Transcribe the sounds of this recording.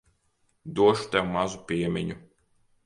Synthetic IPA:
d̪uɔʃu̥t̪ɛwmazupʲiɛmʲiɲu

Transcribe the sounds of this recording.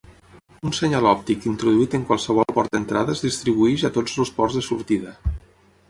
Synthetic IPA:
unsəɲalɔp̚t̪ikint̪ɾuðuit̪əŋkwalˠsəβ̞ɔlˠpɔɾt̪d̪ənt̪ɾaðəzðist̪ɾiβ̞uɛʃat̪od͡zluspɔrzðəsuɾt̪iðə

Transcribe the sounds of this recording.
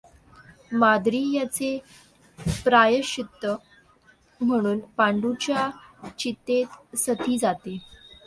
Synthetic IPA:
mad̪ɾiːjat͡se | pɾajəɕit̪ːə | m̤əɽ̃uːnpaɳɖut͡ɕjat͡ɕit̪ːet̪sət̪iːd͡zat̪e

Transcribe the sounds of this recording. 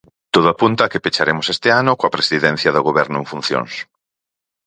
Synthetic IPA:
t̪oð̞ʊapunt̪akepet͡ʃaɾemʊsest̪eanʊkoɐpɾesiðɛn̟θjɐðoɣ̞oβɛɾnʊẽɱfun̟θjo̰ŋs

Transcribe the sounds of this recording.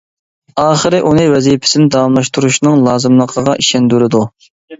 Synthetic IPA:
ɑːχəɾɪʔunɨwɛzijpʰɪ̥sɪnɪd̪ɑwɑmlˠɑʃt̪uɾuʃnɨŋlˠɑːzɨmlˠəqʰəʁɑʔiʃɛnd̪yɾɪd̪u

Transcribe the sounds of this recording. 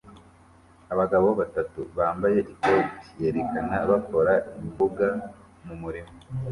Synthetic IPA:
aβaɡaβoβatatṵβaːmbaje̞ʔikotije̞ɾekanaβako̞ɾaimbuɡa | mumuɾimo

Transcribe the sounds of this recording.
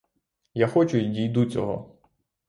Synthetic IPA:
jaxɔt͡ʃʊdʲijd̪ut͡sʲɔɦɔ̰

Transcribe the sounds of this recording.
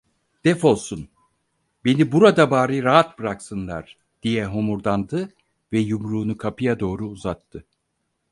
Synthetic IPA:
d̪̥ɛfo̞lˠsun | be̞nibuɾad̪abaːɾɯɾaɦat̪bɯɾaksɯnlˠa̰ɾ̥ | d̪̥ijɛɦomuɾd̪and̪ɯ | vɛjumɾuːnukʰapʰɯjad̪o̞ːɾuːzat̪ʰːɯ

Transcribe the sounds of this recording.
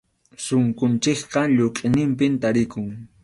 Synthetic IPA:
sʊŋkʊnt͡ʃɪkqɑʎoqʼɪnɪmpɪnt̪aɾɪkʊŋ

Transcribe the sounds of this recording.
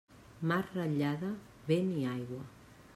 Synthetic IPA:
marraʎaða | βeniajɣwa

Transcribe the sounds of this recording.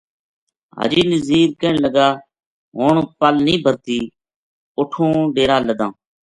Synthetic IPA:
ɦa̰ːd͡ʒiːnəziːɾkəɳləɡaː | ɦoːɳpəlnĩːbʱəɾt̪iː | ʊʈʰõːɖeːɾaːləd̪ãː

